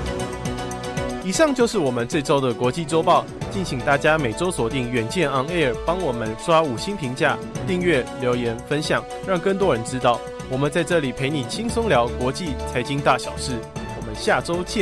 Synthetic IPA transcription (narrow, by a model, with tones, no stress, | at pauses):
i˨˩ʂɑ˥˧ŋt͡ɕjo˥˧ʊʂɻ̩˥˩wɔ˨˩mə˨˦nt͡swe˥˩ɪʈ͡ʂo˥ʊd̪ə˨kwɔ˧˥t͡ɕi˥˨ʈ͡ʂo˥ʊpɑ˥˨˧ʊt͡ɕi˥˩nɕi˨˩ŋt̪a˥˩t͡ɕja˥me˨˩ɪʈ͡ʂo˥ʊswɔ˨˩t̪i˥˩ŋɥɛ˨˩nt͡ɕjɛ˥˩nɑ˥ŋe˥˩ə˨˩pɑ˥ŋwɔ˨˩mə˦nʂwa˥u˨˩ɕi˥npʰi˧˥ŋt͡ɕja̰˥˧ | t̪i˥˧ŋɥɛ˥˩ljo˧˥ʊjɛ˧˥nfə˦nɕjɑ˨˩ŋ | ɻɑ˥˩ŋkə˥˩ŋt̪wɔ˥ɻə˧˥nʈ͡ʂɻ̩˥t̪ɑ˥˩ʊ | wɔ˨˩mə˨nt͡sa˥˧ɪʈ͡ʂɤ˥˩li˨˩pʰe˧˥ɪni˨˩t͡ɕʰi˥ŋsʊ˥ŋljɑ˧˥ʊkwɔ˧˥t͡ɕi˥˩t͡sʰa˧˥ɪt͡ɕi˥ŋt̪a˥˩ɕjɑ˨˩ʊʂɻ̩˥˩wɔ˨˩mə˦nɕja˥˩ʈ͡ʂo˥ʊt͡ɕʰɛ˥˨